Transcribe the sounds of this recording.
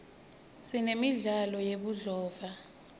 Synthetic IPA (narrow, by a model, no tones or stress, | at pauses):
sinemiɮalɔjeɓuɮɔːva